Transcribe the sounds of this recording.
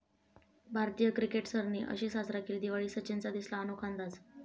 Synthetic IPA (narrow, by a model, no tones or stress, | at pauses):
bʱaɾt̪ijəkɾikeʈsəɾniːʔə̰ɕiːsat͡sɾakʰiːld̪iʋaɭiːsət͡ɕent͡sad̪islaːnukʰand̪at͡s